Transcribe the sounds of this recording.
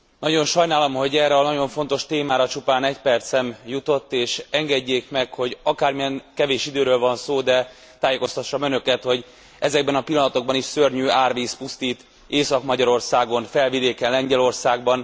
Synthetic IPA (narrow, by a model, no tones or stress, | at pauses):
nɒɟo̞nʃɒjnaːlɒmɦo̞ɟɛːrɛɒnɒɟo̞ɱfo̞nt̪o̞ʃt̪eːmaːɾɒt͡ʃupaːnɛcpɛrt̪sɛmjut̪o̞t̪ːeːʃɛŋɡɛɟːeːkmɛkho̞ɟɒkaːrmijɛŋkɛveːʃid̪øːɾøːlvɒnsoːd̪ɛ | t̪aːjeːko̞st̪ɒʃːɒmønø̞kɛt̪ho̞ɟ | ɛzɛɡ̚bɛnɒpilːɒnɒt̪o̞ɡ̚bɒniʃsørɲyːaːrviːspust̪iːt̪ | eːsɒkmɒɟɒɾo̞rsaːɡo̞nfɛlvid̪eːkɛnlɛɲɟɛlo̞rsaːɡ̚bɒn